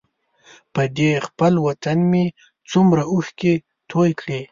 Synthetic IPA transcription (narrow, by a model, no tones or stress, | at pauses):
pəd̪expəlwat̪anmi | t͡sumɾauxke | t̪ʰojkɽi